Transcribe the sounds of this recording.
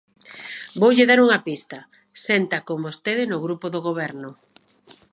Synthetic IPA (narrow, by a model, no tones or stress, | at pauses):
bowʎɪðaɾuŋɐpist̪ɐ | sɛnt̪ɐkombost̪eðɪnʊɣɾupoðoɣoβ̞ɛɾnʊ